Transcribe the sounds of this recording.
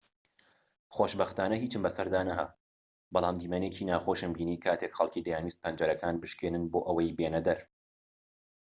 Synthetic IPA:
xoːʃbɐxt̪aːnɐɦiːt͡ʃɨmbɐsɐɾd̪aːnɐɦɐ̰ | bɑlˠaːmd̪iːmɛneːcʰiːnaːxoːʃɨmbiːniːkʰaːt̪ʰeːkxɐlˠkiːd̪ɐjaːnwiːst̪̚pʰɐnd͡ʒɐɾɐkʰaːnbɨʃkeːnɨnboːʔɐwɐjbeːnɐd̪ɐɾ

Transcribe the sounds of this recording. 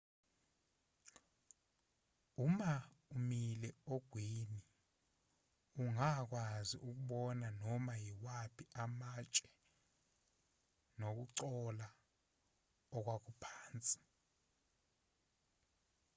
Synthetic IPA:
umaumilɛoɡ̥ʱwini | uŋak̬waziʔuk̬uɓɔnanɔmajiwapʰiamat͡ʃʼɛ | nok̬uǀɔla | ɔk̬wak̬upʰaːnt͡sʼi̥

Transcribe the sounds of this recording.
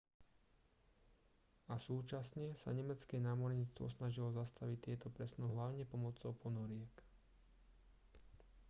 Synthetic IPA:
asuːt͡ʃasɲɛsa̰ɲɛmɛt͡skɛnaːmɔɾɲit͡st̪ʋɔ̰snaʒilɔzast̪aʋict̪ːɪɛt̪ɔpɾɛsnuɦlaʊɲɛpɔmɔt͡sɔʊpʰɔnɔɾɪɛk

